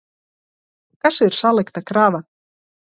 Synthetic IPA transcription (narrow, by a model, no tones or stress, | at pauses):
kaseɾ̥saːlɛkt̪akɾaːva